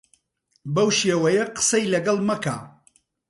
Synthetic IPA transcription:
bɐwʃeːwɐjɐqə̥sɐjlɐɡɐlˠmɐka̰ː

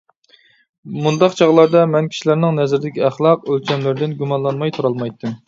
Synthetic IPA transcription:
mund̪ɑqt͡ʃʰɑʁlˠɑɾd̪ɑmɛnkʲʰi̥ʃilæɾnɪŋnɛzɪɾd̪ɪkʲʰiæχlˠɑqølt͡ʃʰɛmlɪɾd̪ɪnɡʲumɑnlˠɑnmɑjt̪ʰuɾɑlˠmɑjt̪ʰːɨm

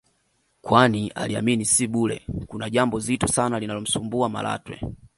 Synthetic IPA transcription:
kwania̰lia̰minisiɓulɛ̰kunaʄambɔzitɔsanalinalɔm̩sumbuama̰lʔa̰twɛ̰

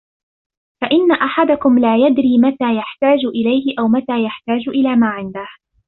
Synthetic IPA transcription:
faʔɪnːaʔaħad̪akʊmlaːjad̪ɾiːmat̪aːjaħt̪aːd͡ʒʊʔɪlajhɪʔawmat̪aːjaħt̪aːd͡ʒʊʔɪlaːmaːʕɪnd̪ah

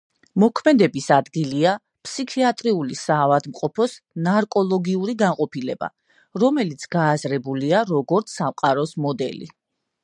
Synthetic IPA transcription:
mɔkʰmɛd̪ɛbisad̪ɡilia | pʰsikʰiat̪ʼɾiulisaːvad̪mqʼɔpʰɔsnaɾkʼɔlˠɔɡiuɾiɡanqʼɔpʰilɛba̰ | ɾɔmɛlit̪sʰɡ̥aːzɾɛbuliaɾɔɡɔɾt̪sʰamqʼaɾɔsmɔd̪ɛ̰lḭ

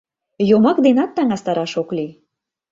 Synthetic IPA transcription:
jomɑkd̪enɑt̪ːɑŋɑst̪ɑɾɑʃokli

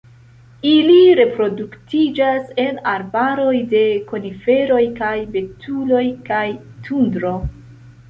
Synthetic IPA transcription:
iliɾe̞pɾo̞duktid͡ʒase̞naɾbaɾo̞jde̞ko̞nife̞ɾo̞jkajbe̞tʰulo̞jkajtʰundɾo̞

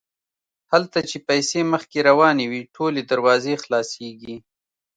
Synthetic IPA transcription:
halt̪at͡ʃepajseməxkeɾawɑnewiʈʰoled̪aɾwɑzexlɑseɡi

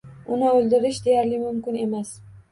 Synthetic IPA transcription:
ʊnɪolˠd̪ɪɾɪʃd̪e̞jaɾlɪmʊmkʲɪne̞mas

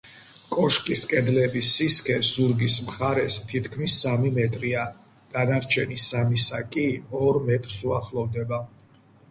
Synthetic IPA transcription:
kʼɔʃkʼiskʼɛd̪lɛbisiskʰɛz̥uɾɡismχaɾɛst̪ʰit̪ʰkʰmisːamimɛt̪ʼɾia | d̪̥anaɾt͡ʃʰɛnisamisakʼiɔɾmɛt̪ʼɾsuaχlˠɔvd̪ɛba

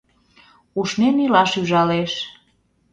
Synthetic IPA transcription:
uʃnenilɑʃyʒɑleʃ

